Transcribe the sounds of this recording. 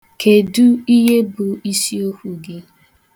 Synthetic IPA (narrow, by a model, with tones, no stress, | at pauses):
kʰe˨du˦i˦ɦe˦bʊ˨i˦si˦o˦kʷu˨ɡɪ˦